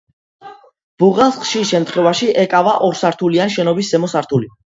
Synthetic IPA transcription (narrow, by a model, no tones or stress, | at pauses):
b̥uʁɛlˠsχʃiʃɛmt̪ʰχwɛvaʃiʔɛkʼavaʔɔɾsaɾt̪ʰulianʃɛnɔbiszɛmɔsaɾt̪ʰuli